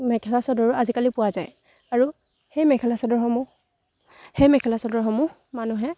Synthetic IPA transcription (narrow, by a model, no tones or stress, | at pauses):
mɛkʰɛlasɔdɔɹazikalipʊwazaj | aɹu | hejmɛkʰɛlasɔdɔɹɦɔmu | hejmɛkʰɛlasɔdɔɹɦɔmʊ | manuɦɛ